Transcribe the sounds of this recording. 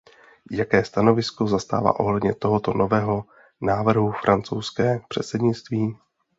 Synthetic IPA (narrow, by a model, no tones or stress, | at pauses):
jakɛːst̪ano̞vɪsko̞zast̪a̰ːva̰ːʔo̞̰ɦlɛdɲɛt̪o̞ɦo̞t̪o̞no̞vɛːɦo̞ | naːvr̩ɦufɾʔant͡sowskɛːpr̝̥ɛt̪sɛdɲɪt͡st̪viː